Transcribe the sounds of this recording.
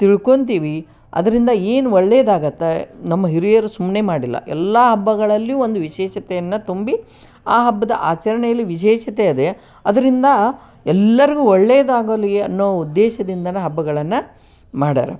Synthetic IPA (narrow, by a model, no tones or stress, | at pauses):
t̪iɭko̞nt̪̬iːʋi | ɐ̰d̪ɐɾind̪ɐeːnuɔɭːeːd̪aːɡɐt̪ːenɐmːɐɦiɾijɐɾusumːneːmaːɽilːɐ̰ʔɛ̰lːaɦɐbːɐɡɐɭɐlːijond̪uʋiʃɛːʃɐt̪ejɐnːɐt̪umbi | aːɦɐbːɐd̪ɐ̰ʔaːt͡ʃɐɾɐɳɛjɐlːiʋiʃɛːʃɐt̪eɐd̪e̞ | ɐd̪ɐɾind̪ɐ | ɛlːɐɾiɡuːɔɭːeːd̪aːɡolieɐnːoːʋɐud̪ːeːʃɐd̪ind̪ɐnɐɦɐbːɐɡɐɭɐnːɐ | maːɽa̰ːɾɐ̰